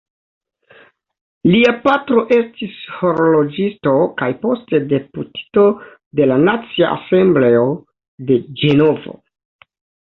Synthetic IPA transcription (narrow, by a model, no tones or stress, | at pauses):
liapatɾo̞ʔe̞stisho̞ɾolo̞d͡ʒisto̞kajpo̞ste̞de̞puti̥to̞ | de̞lanat͡sia̰ʔa̰se̞mble̞o | de̞d͡ʒe̞no̞vo̞̰